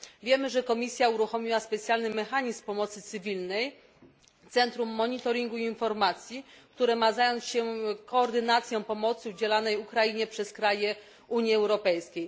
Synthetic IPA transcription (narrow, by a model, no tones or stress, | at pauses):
vʲjɛmɘʐɛkɔmʲisʲjauɾuxɔmʲiwaspɛt̪sʲjalnɘmɛxaɲismpɔmɔt̪sɘt̪sɘvʲilnɛj | t̪sɛnt̪ɾumːɔɲit̪ɔɾʲiŋɡuiːnfɔɾmat̪sʲjikt̪uɾɛmazajɔnsɕɛkɔːɾd̪ɘnat̪sʲjɔ̃w̃pɔmɔt̪sɘud͡ʑɛlanɛjukɾaiɲɛpʂɛskɾajɛ | uɲjiɛwɾɔpɛjskʲej